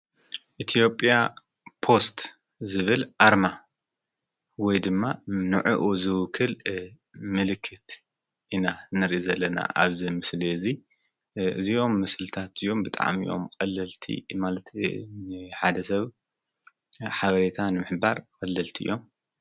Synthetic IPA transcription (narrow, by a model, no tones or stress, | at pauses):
ʔit̪ʰijo̞pʼija | pʰo̞st̪ | zɨβɨlʔaɾma | wɔjd̪ɨmːanɨʕuʔuzɨwkʰːɨl | mɨlɨkʰːɨt̪ | ʔinanɨɾʔizɐlːɐna̰ʔa̰βzimɨsliɨzi | ɨ̰zio̞mːɨslɨt̪ʰat̪ijːo̞mbɨt̪ʼa̰ʕmḭjo̞̰mkʼɐlːɐlt̪ʰḭmalɐt̪ | ħad̪ɐsɐβ | ħaβɐɾet̪ʰanɨmɨħbaɾkʼɐlːɐlt̪ʰiʔɨ̰jʔo̞m